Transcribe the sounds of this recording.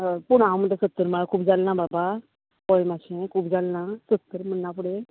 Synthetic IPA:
puɽ̃ãwm̤əʈ̪asət̪ːəɾməɭakʰuːpd͡zalnãbaba | pɔjmaɕẽkʰuːpd͡zalnasət̪ːəɾm̤ənːap̬uɽe

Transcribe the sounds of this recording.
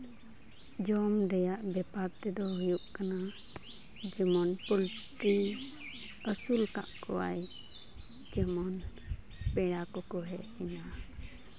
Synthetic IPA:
d͡ʒɔmɾɛjaʔbɛpaɾt̪ɛd̪ɔɦujuʔkana | d͡ʒɛmɔnpɔlʈɾi | əsulka̰ʔkɔwa̰j | t͡ʃɛmɔn | pɛɽakɔkɔɦɛɛna

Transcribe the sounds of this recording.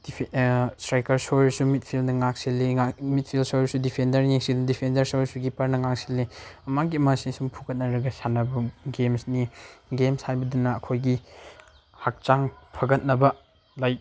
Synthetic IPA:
distɾajkɐɾsojɾsumit̚pʰilnɐŋak̚silːiamit̚pʰilsojsudipʰendɐɾjiŋsiddipʰendɐɾsojsuɡipɐɾnɐŋak̚silːiɐmaɡiɐmɐsisumpʰukɐt̚nɐɾɐɡɐsanɐbɐɡemsniɡemshajbɐdunɐɐkʰojɡi | hak̚t͡ʃaŋpʰɐɡɐt̚nɐbɐ | laj̚

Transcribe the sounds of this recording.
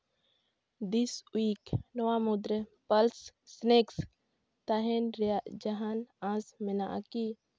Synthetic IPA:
d̪iswiːknɔwamud̪ɾəpəlsːneks | t̪aɦɛnɾad͡ʒaɦanãsmɛnaʔa̰ki

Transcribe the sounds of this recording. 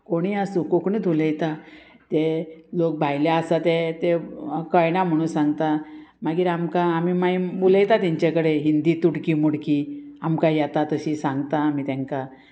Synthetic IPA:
koɽ̃iːəsũkokɳiːt̪uləjt̪a | t̪elok̚bʱajljaəsat̪et̪ekəjnam̤əɽ̃ũːnsãŋɡt̪amaɡiːɾamkaːmiːmajmuləjt̪at̪iɲt͡ɕekəɽeɦind̪iːt̪uɽkiːmuɽkiamkajat̪at̪əɕisãŋɡt̪aːmiːt̪ãŋka

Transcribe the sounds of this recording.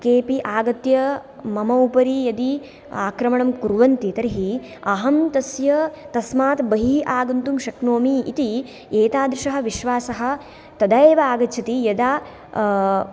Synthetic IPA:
keːpiʔaːɡɐt̪jɐ | mɐmɐupɐɾijɐd̪i | aːkɾɐmɐɳɐmkuɾʋɐnt̪it̪ɐɾiɦi | ɐɦɐmt̪ɐsjɐt̪ɐsmaːt̪bɐɦiʔaːɡɐnt̪umʃɐknoːmiḭt̪i | eːt̪aːd̪ɾuʃɐɦɐ̆ʋiʃʋaːsɐɦɐ̆ | t̪ɐd̪ɐeːʋɐaːɡɐt͡ʃʰɐt̪ijɐd̪aː

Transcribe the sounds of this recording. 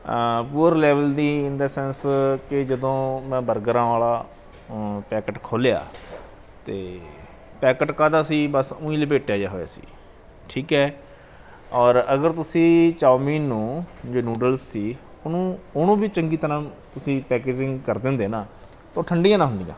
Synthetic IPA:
puːəɾlɛːʋəld̪iːɪnd̪aːsɛnskɪd͡ʒəd̪õːmɛ̃ːbəɾɡəɾãːʋaːlaː | pɛːkəʈkʰoːlja̰ː | t̪eː | pɛːkəʈkaːd̪aːsiːbəsʊ̃ːĩːleːpeːʈejaːd͡ʒaːɦoːja̰ːsḭː | ʈʰiːkɦɛː | ɔːɾəɡəɾt̪ʊsĩːt͡ʃaːmiːnːũːd͡ʒoːnuːɖəlsːiː | ʊnũːʊnũːbiːt͡ʃəŋɡiːt̪əɾãː | t̪ʊsĩːpɛːkeːd͡ʒɪ̃ŋɡkəɾd̪ẽːnd̪eːnãː | t̪õːʈʰəɳɖiːjãːnaːɦʊ̃nd̪ijã̰ː

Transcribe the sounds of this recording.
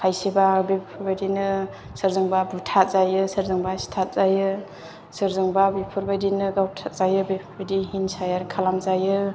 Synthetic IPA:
kʰajsibabipʰuɾbadinɯ | sɯɾzɯŋbabutʰat̚zajɯsɯɾzɯŋbasi̥tʰat̚zajɯ | sɯɾzɯŋbabipʰuɾbajdinɯɡawtʰat̚z̥ajɯbepʰbadiɦinsajaɾkʰalamzajɯ

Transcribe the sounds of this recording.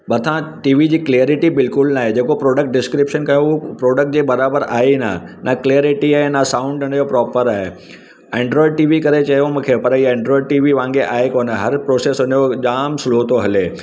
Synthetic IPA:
bɐt̪ʰãʈiːʋid͡ʑiːkleɾɪʈibɪlkʊlnaːɦed͡ʑeːkopɾoːɖək̚ʈ̚ɖɪskɾɪpʃənkɐjoʊpɾoːɖək̚ʈ̚d͡ʑeːbɐɾaːbəɾa̰ːɦina̰nakleɾɪʈiaːɦenasãːʊ̃ɳɖɐɳjopɾɔːpəɾaːɦe | ẽːɳɖɾɔːɪɖ̚ʈiːʋikɐɾet͡ɕɐɦjomũkʰepɐɾiẽːɳɖɾɔːɪɖʈiːʋiʋãːŋɡeʔaːɦekoːnəɦɐɾpɾoːseːsʊnjod͡ʑaːmsloːt̪oɦɐle

